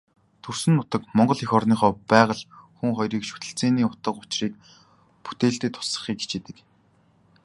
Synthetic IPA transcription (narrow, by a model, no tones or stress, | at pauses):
t̪ʰɵr̥sɘ̆nːʊt̪ə̆kmɔɴɢɞ̆ɮixɔrniːχɔːpæːʁə̆ɮxuŋχɔjɾiːkʃu̥t̪ɘ̆ɬt͡seːniːʊt̪ə̆qʊt͡ɕriːk̚ | pu̥t̪eːɮt̪eːt̪ʰːʊ̥sə̥̆χiːke̥t͡ɕet̪ɘ̆k